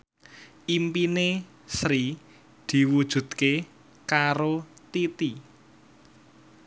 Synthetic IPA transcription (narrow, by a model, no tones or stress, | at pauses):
ʔimpine | sɾi | d̪̥i̤wud̥ʒ̥ṳd̪̥ke | kaɾot̪it̪i